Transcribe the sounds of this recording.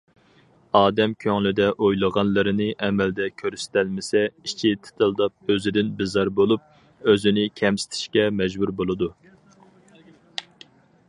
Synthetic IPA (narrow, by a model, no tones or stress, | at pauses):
ɑːd̪ɛmkʲʰøŋlɪd̪ɛʔojlˠəʁɑnlˠɨɾɨnɨʔɛmɛld̪ɛkʲʰøɾst̪ʰælmɪsɛit͡ʃʰit̪ʰɨ̥t̪ʰɨlˠd̪ɑp̚øzɪd̪ɪnbɪzɑɾbolˠup̚ | øzɪnɪkʲʰɛmsɪ̥t̪ʰɪ̥ʃkʲɛmɛʒbuɾbolˠɨd̪u